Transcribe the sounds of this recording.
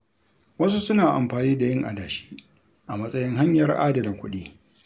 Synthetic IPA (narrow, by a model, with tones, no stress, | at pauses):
wɐ˦s̬u˦sʊ˦naː˨ʔa̰˨mɸaː˨niː˦da˨jɪ˦ŋʔa̰˨daː˨ʃi̥ː˦ | ʔa˨mɐ˦sʼɐ˦jɪ˦ŋɦa˦ɲjɐ˨rʔa̰ː˦dɐ˨lɐ˨ŋkʷʊ˦ɗiː˦